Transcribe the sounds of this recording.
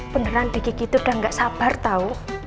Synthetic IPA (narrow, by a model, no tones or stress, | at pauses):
b̥ə̤nəɾanɖ̪̥e̤kikit̪uɖ̥a̤ŋɡaʔsab̥a̤rt̪au